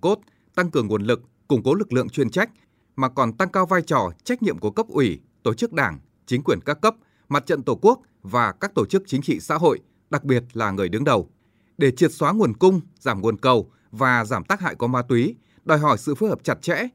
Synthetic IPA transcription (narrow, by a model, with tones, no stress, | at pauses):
ko˦˥t̚ | t̪a˧ŋkɨ˨˩əŋːu˨˩ənlɨ˨˩k̚ːʊ˧˩ŋ͡mko˨˦lɨ˨˩k̚lɨ̰˧˨əŋt͡ɕwi˧ənt͡ɕa˦˥jk̟̚ | maː˨˩kɔ˨˩nt̪a˧ŋkaː˧wvaː˧jt͡ɕɔ˨˧˩t͡ɕa˦˥jk̟̚ɲḭ˧əmku˧˩əkə˦˥p̚ʔwi˧˩ | t̪o˧˩t͡ɕɨ˦˥k̚ɗaː˧˩ŋ | t͡ɕï˨˦ŋ̟kwi˧˩ənkaː˦˥kːə˦˥p̚ | ma˨˩t̚t͡ɕə̰˧˨nt̪o˧˩ku˦˥ək̚ | vaː˨˩kaː˦˥k̚t̪o˧˩t͡ɕɨ˦˥k̚t͡ɕï˨˦ŋ̟t͡ɕḭ˧˨sa̰ː˧˥ɦo̰˧˨j | ɗa˨˩k̚ɓi˨˩ət̚laː˨˩ŋɨ˨˩əjɗɨ˨˦əŋɗə˨˩w | ɗe˧˩t͡ɕi˨˩ət̚swaː˨˦ŋu˨˩ənkʊ˧ŋ͡mzaː˧˩mŋu˨˩ənkə˨˩w | vaː˨˩zaː˧˩mt̪aː˦˥k̚ha̰ː˧˨jkɔ˨˦maː˨˧˦t̪wi˨˦ | ɗɔ˨˩jɦɔ˧˩jsɨ̰˧˨fu˨˦həː˨˩p̚t͡ɕa˨˩t̚t͡ɕɛ̰˧˥